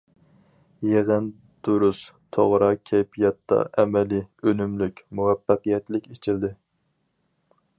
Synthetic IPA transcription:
jeʁən | d̪̥uɾust̪ʰoʁɾɑkʲʰɛjpʰijɑt̪ːɑ̰ʔɛmɛliønymlykʲmuwɛfːəqijɛt̪lɪkʲet͡ʃʰild̪ɪ

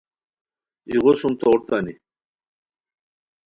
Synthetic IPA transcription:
iʁosumt̪ouɾt̪ani

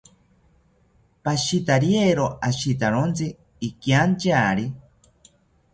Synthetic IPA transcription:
paʃit̪aɾjeɾoaʃit̪aɾont͡siː | kjant͡ʃaːɾi

